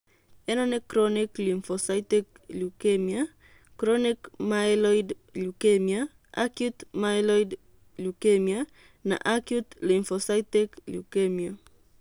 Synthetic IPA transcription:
ɛnɔnɛkɾɔniklinfɔsatek | lukemia | kɾonikmajlɔid | lukemia | ʔa̰kjut̪majlɔid | lukemia | na̰ʔakjut̪linfosajt̪eklṵkemia

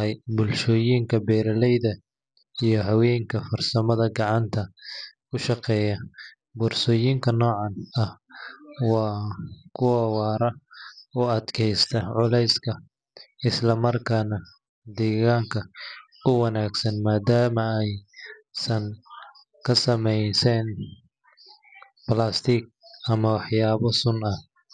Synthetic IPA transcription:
ɛjbʊlʃɔːjiːŋkʰɐbɛːɾɐlɛjðɐ | ijɞɦɐwɛːŋkʰɐfɐrsɐmɐðɐɡɑʕɑnt̪ʰɐkʊʃɑqɛːjɐ | bʊːrsɔːjiːŋkʰɐnɔːʕɑnɐh | wɑːkʰʊwɐwɑːɾɐɔɐd̪kʰɛjst̪ʰɐʕʊlɛjskʰɐ | ɪslɐmɐrkʰaːnɐ | d̪ɛːɣaːŋkʰɐ | ʊwɑnaːɡsɐnmaːd̪aːmɐɛjsɐŋ | kʰɐsɐmɛjsɛn | plaːst̪ʰiːk̚ɐmɐwɑħjaːβɐsʊnɐh

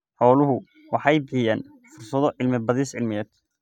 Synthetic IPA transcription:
ħɔːlʊɦʊ | wɑħɑjbɪħɪjaːn | fʊrsɐðɔʔɪlmɪbɐðisʕɪlmɪɛːd̪

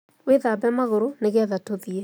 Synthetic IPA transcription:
weðabɛmaɣoɾoneɣɛðatoðiɛ

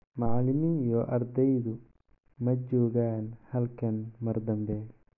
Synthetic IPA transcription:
mɑʕlɪmiːnjɔʔɐrd̪ɛjðʊ | mɐt͡ʃɔːɣaːnhɐlkʰɐnmɐrd̪ɐmbɛːj

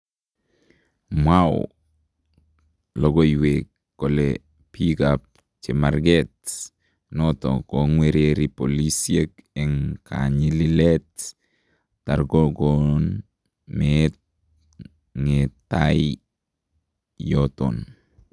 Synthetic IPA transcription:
maw | loɡojwekːole | pikap̚ | t͡ʃemaɾɡet | noto̰koŋweɾeɾipolisiekɛŋkʰa̰ɲililetː | aɾɡoɡon | met̚ | ŋetːaji | joto̰n

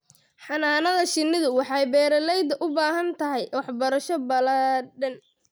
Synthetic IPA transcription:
ħɑnaːnɐðɐʃɪnːɪðʊwɑħɑjbɛːɾɐlɛjd̪ɐʔʊbaːɦɐnt̪ʰɐɦɛjwɑħbɐɾɐʃɔbɐlɐɖɐn

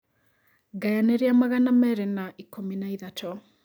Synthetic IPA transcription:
ɡajaneɾeamaɣanamɛɾenaʔikominaiðatɔ

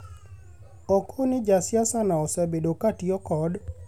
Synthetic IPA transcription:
ɔkʰonɪd͡ʒasjasanaɔsɛbedokatiɔkɔd

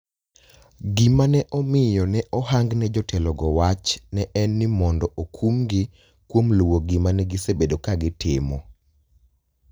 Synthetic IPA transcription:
ɡɪmanɛʔɔmɪjɔnɛʔɔɦaŋɡnɛd͡ʒɔtʰɛlɔɡɔwat͡ʃnɛʔɛnːɪmɔndɔʔokʰumɡɪ | kwomluwoɡɪmanɛɡisebedokaɡɪtɪmɔ

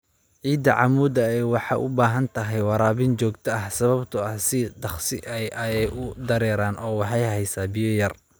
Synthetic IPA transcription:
ʕiːd̪ɐʕɑ̰muːd̪ɐɛjwɑħɑ̰ʔʊbaːɦɐnt̪ʰɐɦɛjwɑɾaːβɪnt͡ʃɔːɡt̪ʰɐɐhsɐβɐbt̪ʰʊɐhsɪd̪ɑχsɪʔɛjʔɛɛjʔʊd̪ɐɾɛːɾaːnʔɔːwɑħɑjɦɛjsaːbijɔjɐr

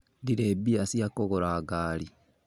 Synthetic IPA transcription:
diɾebiasijakoɣoɾaːɡaːli

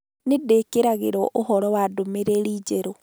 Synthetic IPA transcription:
nedekeɾaɣeɾɔʔohɔɾɔwadomeɾeɾiːd͡ʒeɾo

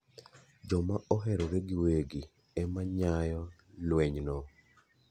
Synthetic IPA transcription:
d͡ʒɔmaɔɦɛɾɔɾeɡɪweɡi | ɛmaɲajɔ | lweɲnɔ

